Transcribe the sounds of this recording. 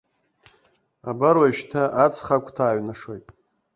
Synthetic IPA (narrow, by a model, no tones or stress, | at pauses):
abaɾwaʃtʰaʔat͡sʰχakʷʰtʰaːɥnaʂo̞jtʼ